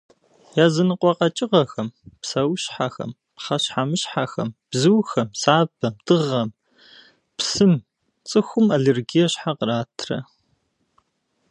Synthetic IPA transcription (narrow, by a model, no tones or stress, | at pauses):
jaːzɨnɨqʷʼɔqɐt͡ʃʼɪʁɐxɐmpsɐwɕħaxɐ̰m | pχɐɕħamɨɕħaxɐ̰mb̥zɨwxɐmsaːbɐmdɨʁɐm | psɨm | t͡sʼɨxʷʊmɐɮerɡijɛɕħaqəɾaːtʰrɐ̰